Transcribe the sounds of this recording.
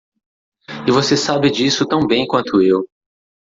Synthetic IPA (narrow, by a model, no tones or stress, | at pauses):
ɪvosesabɪd͡ʒisʊt̪ɐ̃w̃bẽj̃kwɐ̃nt̪ʊew